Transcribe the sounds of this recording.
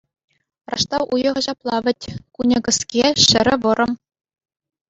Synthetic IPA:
rʔɑʂt̪ɑwʔujɤ̆ʁɤ̆ʑɑplˠɑʋʲɘ̆tʲkunʲɤ̆ɡɤ̆skʲeɕɘ̆ɾʲɘ̆ʋɤ̆ɾʔɤ̆m

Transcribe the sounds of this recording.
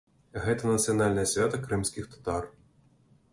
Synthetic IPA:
ɣɛt̪ɐnɐt̪sɨjɐnalʲnɐjɐsʲvʲat̪ɐkɾɨmsʲkʲixt̪ɐ̥t̪ar

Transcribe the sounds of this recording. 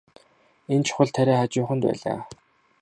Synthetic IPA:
ent͡ɕʰʊ̥χə̆ɮt̪ʰæɾʲæːχat͡ɕʊːχə̆nt̪pæ̰ːɮa̰ː

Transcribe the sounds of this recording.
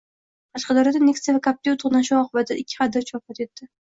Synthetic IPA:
qʰɑʃqɑd̪ɒɾad̪aneksavakʰap̚t̪iʊt̪ʰʊχnaʃʊɒqʰʊbat̪ʰaɪkʲʰːɪ̥χɑd̪ɪɾt͡ʃʰɒpat̪e̞t̪ːɪ

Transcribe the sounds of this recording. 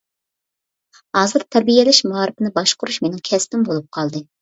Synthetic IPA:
hɑːzɨɾt̪ʰɛɾbijɛlɪʃmɑːɾɪpɪnɪbɑʃqʊɾuʃmenɪŋkʲʰɛspɪmbolˠup̚qʰɑlˠd̪ɨ

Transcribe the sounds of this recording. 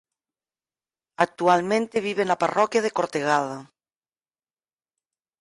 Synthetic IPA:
ak̚t̪ualmẽnt̪eβiβ̞enaparɔkjað̞ekoɾt̪eɣaða

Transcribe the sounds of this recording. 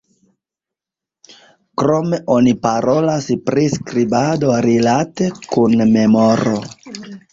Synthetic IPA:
kɾo̞me̞ʔo̞nipaɾolaspɾiskɾibado̞ɾilate̞kunme̞moɾo

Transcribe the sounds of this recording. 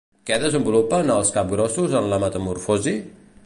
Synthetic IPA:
kɛðəzəmbulupənəlˠskap̚ɡɾɔsuzənləmət̪əmuɾfozi

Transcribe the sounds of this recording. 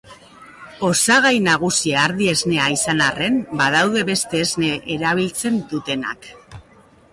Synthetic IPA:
o̞saɣ̞ajnaɣ̞usiaːɾðie̞zne̞aisanare̞mbað̞awðe̞βe̞st̪e̞ːzne̞ʔeɾaβ̞ilt͡se̞nd̪ut̪e̞na̰k

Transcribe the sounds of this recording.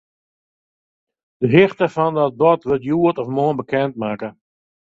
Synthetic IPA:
d̥əɦɪxtəfɔndɔt̚bɔtʋɪltjuətɔfmoənbəkʰɛnt̚maːkə

